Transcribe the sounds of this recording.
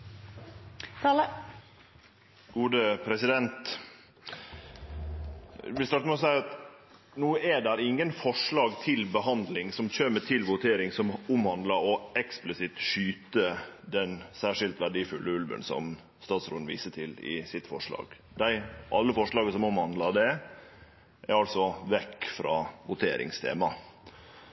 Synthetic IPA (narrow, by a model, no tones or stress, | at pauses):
ɡuːd̪əpʰɾɛsɪd̪ɛnt̪ | ʋɪlst̪ɑʈ̪əmɛɔs̬æɪɑt̪ | nuːəɛɖ̪æɾɪŋːənfɔʂɭɑːɡt̪ʰɪlbəɦɑnd̪lɪŋsɔmçøːmət̪ʰɪlʋʊt̪ʰeːɾɪŋsɔmʊmhɑnd̪ləɾɔɛksplɪsɪt̪ʂyːt̪əd̪ɛnsæːʂɪlt̪ʋæɖiːfʉlːəʉlʋə̰nsɔ̰m | st̪ɑːt̪sɾoːd̪n̩ʋḭːsəʈʰɪlɪ̰sɪt̪fɔʂɭɑ̰ːɡ̥ | d̪æɪʔɑlːəfɔʂɭɑːɡəsɔmʊmhɑnd̪lɑɖ̪ɛ | ʔæ̰ɾɑlsɔʋɛkːfɾɑ̰ːʋʊt̪ʰeːɾɪ̰ŋst̪ʰḛːmɑ